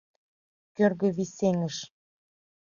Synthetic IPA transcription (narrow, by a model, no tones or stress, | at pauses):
kørɣø̆βiseŋəʃ